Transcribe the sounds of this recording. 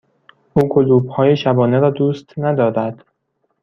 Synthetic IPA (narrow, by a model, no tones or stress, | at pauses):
ʔuːkʰoluːbhɒːjeʃæbɒːneɾɒːd̪uːst̪næd̪ɒːɾæd̪̥